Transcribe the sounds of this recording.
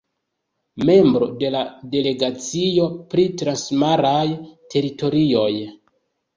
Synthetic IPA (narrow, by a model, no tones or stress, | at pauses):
me̞mbɾo̞̰de̞lade̞le̞ɡat͡sijo̞pɾitɾansmaɾajtʰe̞ɾito̞ɾio̞j